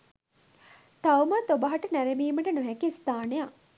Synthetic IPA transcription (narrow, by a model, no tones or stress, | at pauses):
t̪awmət̪obɐɦɐʈənæɾemiːməʈənuɦɛkiist̪aːneja